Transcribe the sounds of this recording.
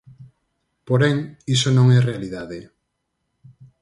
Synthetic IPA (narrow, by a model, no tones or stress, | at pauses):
poɾɛŋisonõŋɛrealiðaðe